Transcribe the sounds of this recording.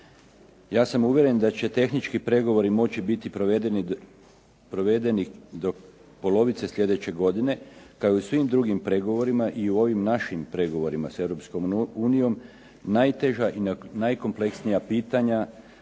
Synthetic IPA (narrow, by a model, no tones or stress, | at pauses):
jaːsamuʋje̞ɾe̞nd̪at͡ɕe̞t̪e̞xnit͡ʃkipɾe̞ɡo̞ʋo̞ɾimo̞t͡ɕibit̪ipoed̪eni | pɾo̞ʋe̞d̪e̞nid̪o̞ | po̞lo̞ʋit̪se̞sʎʲje̞d̪e̞t͡ɕe̞ɡo̞d̪ine̞kaousʋimd̪ɾuɡimpɾe̞ɡo̞ʋo̞ɾimaʔiuo̞ʋimnaʃimpɾe̞ɡo̞ʋo̞ɾimase̞ʋɾo̞psko̞muːnijo̞m | najt̪e̞ʒaʔinnajko̞mple̞ksnijapiːt̪aɲa